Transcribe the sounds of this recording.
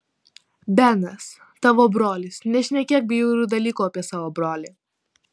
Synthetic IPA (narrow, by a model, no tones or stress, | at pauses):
bʲɛnɐs | t̪ɑːʋoːbɾoːlʲɪsnʲɛʃʲnʲɛkʲeːk̚bʲiːjuːɾʲuːd̪ɐlʲiːkuːɐpʲiɛsɑːʋoːbɾoːlʲiː